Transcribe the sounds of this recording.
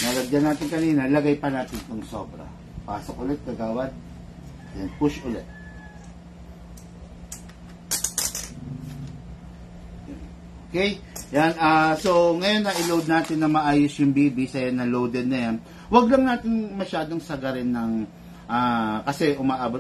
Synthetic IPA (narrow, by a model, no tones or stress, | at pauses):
nɐlɐɡ̪jɐnaːt̪ɪnkɐniːnɐlɐɡajpɐnaːt̪ɪnk̪ʊŋsoːbɾɐ̰ | pa̰ːsok̚ʔʊlɛt̪̚kɐɡaːwɐn | d̪ɛnpʊʃʔʊlɛt̪̚ | okɛjjanʔaːso̞ŋɐjonːɐʔɪlowd̪̚naːt̪ɪnːɐmɐʔaːjosjʊŋbiːbisɐjanːɐlowd̪ɛd̪̚nɐjan | wɐɡlɐŋnaːt̪ɪnmɐʃaːd̪o̞ŋsɐɡɐɾɪnːɐŋ | ʔaːkɐsɛʔʊmaʔaːbot̪